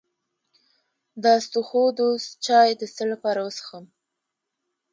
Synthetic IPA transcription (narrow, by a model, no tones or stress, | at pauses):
d̪ɑast̪uxod̪ost̪̚t͡ʃɑjd̪əst̪əlapɑɾawəsə̥xəm